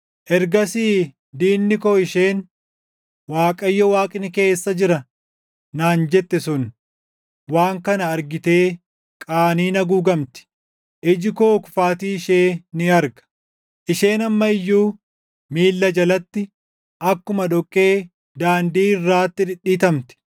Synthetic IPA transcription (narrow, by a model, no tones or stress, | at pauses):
ʔɛɾɡɐsiː | d̪iːnːɪkoːɪʃe̞ːn | waːkʼɐjːɔwaːkʼɪnɪke̞ːsːɐd͡ʒɪɾɐ | naːnd͡ʒɛt̪ːɛsʊn | waːŋkɐnɐːɾɡɪt̪e̞ː | kʼaːniːnɐɡuːɡɐmt̪ɪ̥ | ʔɪd͡ʒɪkoːkʊ̥faːt̪iːɪʃeːnɪɐɾɡɐ̥ | ʔɪʃe̞ːnɐmːɐɪjːuː | miːlːɐd͡ʒɐlɐt̪ːɪ | ʔɐkːʊmɐᶑɔkʼːe̞ː | d̪aːnd̪iːɪrːaːt̪ːɪᶑ̪ɪɗːiːt̪ɐmt̪ɪ̥